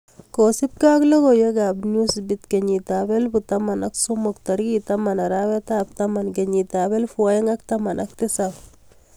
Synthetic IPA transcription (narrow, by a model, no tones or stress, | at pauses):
kosip̚kaklokojeɡabnusbit̪keɲitabɛlbutamanaksumʊktaɾɡitamanaɾawɛt̪ap̚t̪amankeɲitabɛlfuajŋaktamanʔak̚t̪ɪsap